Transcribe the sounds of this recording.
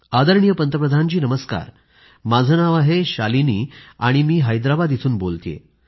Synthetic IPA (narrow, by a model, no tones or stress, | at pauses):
ad̪əɾɳijəpənt̪əpɾəd̪ʱant͡ɕiːnəməska̰ɾ | mad͡zʱənaʋaɦeɕaliniːa̰ɽ̃imiːɦajd̪ɾabad̪it̪ʰuːnbolt̪ijḛ